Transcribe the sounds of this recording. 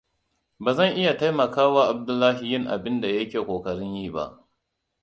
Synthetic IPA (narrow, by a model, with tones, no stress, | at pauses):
baː˨zɐ˦˨ŋʔɪ˦ja˨ta˦jmɐ˨kaː˦waː˦ʔa˨b̚dʊ˦lːaː˦ɦi˨jɪ˦ŋʔa̰˨bɪ˦nda˨jɐ˦kʲeː˨kʷoː˨kɐ˨ɽɪ˦ɲjiː˦˨ba̰˦ʔ